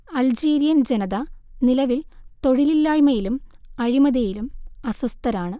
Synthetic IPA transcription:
ɐld͡ʑiːɾijɐnd͡ʑenɐðɐnilɐʋilt̪o̞ɻililːaːjmɐjilumɐɻimɐðɐjilumɐsust̪ɐɾaːɳɨ

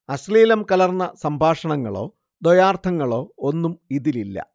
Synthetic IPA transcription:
ɐsliːlɐmkɐlɐrnːɐsɐmbʱaːʂɐɳɐŋːɐ̰ɭo̞̰ː | d̪ojaːrt̪ʰɐŋːɐɭo̞ːonːumiðililːɐ̰

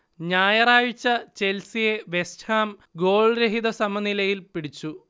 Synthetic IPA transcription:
ɲaːjɐraːjit͡ɕːɐt͡ɕe̞lsijeʋe̞sʈʰhaːmɡo̞ːɭɾeɦiðɐsɐmɐnilɐjilpiɽit͡ɕːu

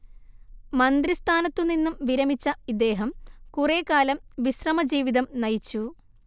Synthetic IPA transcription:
mɐnd̪rist̪ʰaːnɐt̪ːuninːumʋiɾɐmit͡ɕːɐid̪ːe̞ːɦɐmkure̞ːkaːlɐmʋiɕrɐmɐd͡ʑiːʋiðɐmnɐjit͡ɕːu

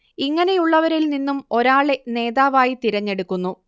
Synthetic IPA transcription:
iŋːɐne̞juɭːɐʋɐɾilninːumo̞ɾaːɭe̞ne̞ːðaːʋaːjit̪iɾɐɲːe̞ɽukːunːu

